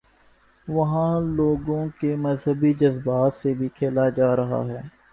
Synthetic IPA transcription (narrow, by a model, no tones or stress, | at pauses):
ʋɐɦãloːɡõkemɐzɦəbid͡ʒəzbaːt̪sebʱikʰeːlad͡ʒaːɾɐɦa̰ɦɛː